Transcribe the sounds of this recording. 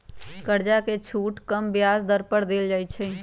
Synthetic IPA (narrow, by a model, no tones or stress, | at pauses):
kəɾd͡ʒaket͡ʃʰuːʈkəmbjaːzd̪əɾpəɽd̪eːld͡ʒaːit͡ʃʰɛ